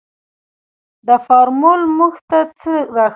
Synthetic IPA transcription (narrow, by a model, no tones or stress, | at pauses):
d̪əfɑɾmulmuxt̪at͡səɾɑx